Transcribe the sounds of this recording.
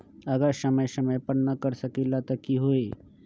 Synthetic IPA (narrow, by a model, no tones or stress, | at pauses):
ɐɡəɾsɐməjsɐməjpəɽnɐkəɾsɐkilat̪ɐkiɦoːe